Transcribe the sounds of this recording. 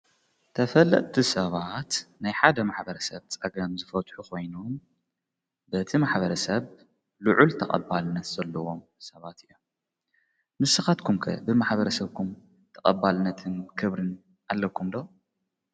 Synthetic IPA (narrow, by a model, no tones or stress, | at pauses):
t̪ʰɐfɐlːɐ̰ʔʼt̪ʰisɐβat̪najħad̪ɐmaħbɐɾɐsɐβt͡sʼɐɡɐmzɨfɐt̪ħukʰo̞jnum | bɨt̪ʰimaħbɐɾɐsɐβ | luʕult̪ʰɐkʼɐ̰bːalɨnɐt̪zɐlːɐwo̞m | sɐβat̪ɨjːom | mɨsːɨxat̪kʰumkʰɐ̰bɨmaħbɐɾɐsɐβkʰum | t̪ʰɐkʼɐbːalɨnɐt̪ʰɨnkʰɨβɾɨn | alːɐkʰːumd̪o